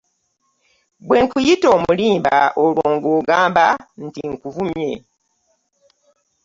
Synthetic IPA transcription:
bwe̞ːŋkujito̞ːmuliːmba̰olwoːŋɡoːɡaːmban̩tiŋkuvumje

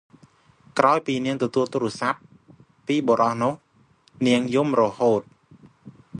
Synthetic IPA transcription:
kraɔjpiːniəŋt̪ɔt̪uəlt̪uːɾʊ̆əsap̚ː | iːɓoɾɑhnʊ̆əh | niəŋjumrɔhoːt̪̚

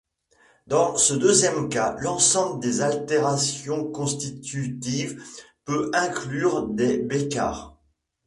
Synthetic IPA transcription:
d̪ɑ̃səd̪øzjɛmkalɑ̃sɑ̃bləd̪ezalt̪eʁasjɔ̃kɔ̃st̪it̪yt̪iv | pøɛ̃klyʁd̪ebeka̰ːʁ

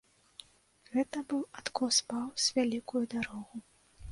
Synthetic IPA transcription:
ɣɛt̪ɐbɨwat̪kɔwspawz̥ʲvʲalʲikujud̪aɾɔɣu

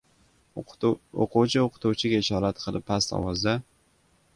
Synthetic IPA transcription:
o̰qʰuwt͡ʃʰɪoqʰʊ̥t̪uwt͡ʃʰɪɡʲaɪʃɒːɾat̪qʰɨlˠɪpʰːast̪ɒ̰wɒzd̪a

